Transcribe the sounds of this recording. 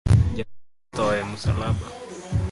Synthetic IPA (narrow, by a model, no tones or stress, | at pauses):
d͡ʒa | t̪ɔajamusa̰laɓa